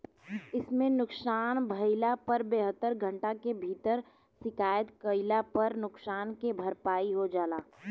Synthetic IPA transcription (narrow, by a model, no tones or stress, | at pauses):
ɪsmẽnʊksaːnbʱəɪlapəɾbeːɦət̪ːəɾɡʱə̃ɳʈakebʱiːt̪əɾ | sɪkaːjət̪kəɪlapəɾnʊksaːnkebʱəɾpaːiɦod͡ʒaːlaː